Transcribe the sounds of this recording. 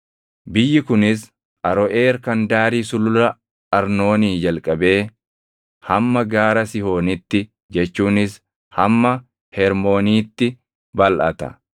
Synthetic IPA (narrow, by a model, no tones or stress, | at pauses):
bɪjːɪkʊnɪs | ʔɐɾɔʔe̞ːɾkɐnd̪aːɾiːsʊlʊɾɐ | ɐɾno̞ːniːd͡ʒɐlkʼɐbe̞ː | hɐmːɐɡaːɾɐsɪho̞ːnɪt̪ːɪ | d͡ʒɛt͡ʃːuːnɪs | hɐmːɐ | hɛɾmo̞ːniːt̪ːɪ | bɐlʔɐt̪ɐ̰